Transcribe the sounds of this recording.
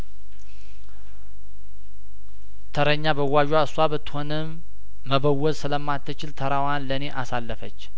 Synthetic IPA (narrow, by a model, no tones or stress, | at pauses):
t̪ʰəɾəɲːabəwːaʒwaɨswaβət̪ːɨ̥ho̞nəmː | əβəwːɔzsɨləmːat̪ʰːɨt͡ʃɪlt̪ʰəɾawanləne̞ʔasalːəfət͡ʃː